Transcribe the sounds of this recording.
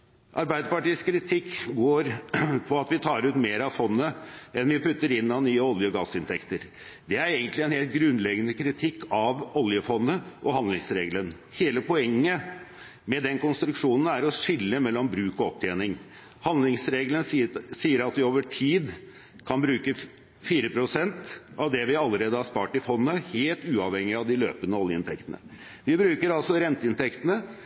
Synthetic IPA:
ʔɑ̰ɾbæɪd̪əpɑʈiːəskʰɾɪt̪ʰɪkːɡoːɾpʰɔɑt̪ʋɪt̪ʰɑːɾʉːt̪meːɾɑʋfɔnːəɛnʋɪpʉt̪ːəɾɪnːɑnyːəɔljəɔɡɑsɪnt̪ʰɛkt̪əɾ | d̪ɛæɾeːɡənt̪lɪɛnheːlt̪̚ɡɾʉnːlɛɡənəkʰɾɪt̪ʰɪkːɑʋɔljəfɔnːəʔɔhɑnd̪lɪŋsɾeːɡlən | heːləpʰɔɛŋːə | mɛd̪ɛnkʊnst̪ɾʉkʂuːnn̩æɾɔʂɪlːəmɛlːɔmbɾʉːkɔɔp̚t̪ʰeːnɪŋ | hɑnlɪŋsɾeːɡlənsiːəɾɑt̪ʋɪoːʋəʈʰiːd̪ | kʰɑnbɾʉːkə | fiːɾəpʰɾʊsɛnt̪ɑʋd̪ɛʋɪɑlːəɾeːd̪əhɑʂpɑːʈɪfɔnːəheːlt̪ʉːɑʋhɛŋːɪɑʋd̪ɪlø̰ːpənəɔljəɪnt̪ʰɛkt̪ənə̰ | ʋɪbɾʉːkəɾɑlsɔɾɛnt̪əɪnt̪ʰɛkt̪ənə

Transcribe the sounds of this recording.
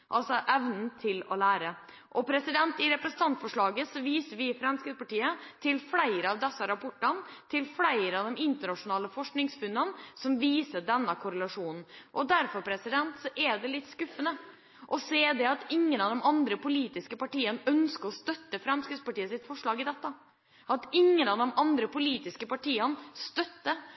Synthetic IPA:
ʔɑlsɔʔɛʋnn̩t̪ʰɪlɔ̰læːɾə | ʔɔpʰɾɛsɪd̪ɛnt̪ɪɾɛpɾɛsn̩t̪ʰɑnt̪fɔʂɭɑːɡəsɔʋiːsəɾʋɪfɾɑmskɾɪd̪spɑʈiːət̪ʰɪlflæɪɾəɑʋd̪ɛsːəɾɑpʰɔʈːənt̪ʰɪlflæɪɾəɑd̪ɛmɪnt̪əɳɑʂʊnɑːləfɔʂknɪŋsfʉnːənsɔmʋiːsəɖɛnːəkʰʊɾəlɑʂuːnn̩ʔɔd̪æɾfɔɾpʰɾɛsɪd̪ɛnt̪sɔʔɛd̪ɛlɪt̪ːskʉfːənə | ʔɔseːd̪ɛɑt̪ɪŋːənɑʋd̪ɛmɑnd̪ɾəpʊliːt̪ɪskəpɑʈiːənœnskəɾɔst̪œt̪ːəfɾɑmskɾɪspɑʈiːəsɪt̪fɔʂɭɑːɡɪd̪ɛt̪ːə | ʔɑt̪ɪŋːənɑʋd̪ɔmʔɑnd̪ɾəpʊliːt̪ɪskəpɑʈiːənst̪œt̪ːə

